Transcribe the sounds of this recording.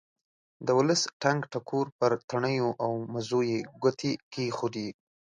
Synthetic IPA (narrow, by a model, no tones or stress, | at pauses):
d̪əwʊləsʈaŋɡʈakʰoɾpəɾt̪aɳəjoʔawmazojeɡʷat̪ʰekexod̪i